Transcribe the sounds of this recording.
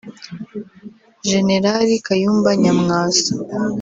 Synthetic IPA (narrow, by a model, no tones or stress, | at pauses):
ʒe̞ne̞ɾaɾikajuːmbaɲamŋaːso̥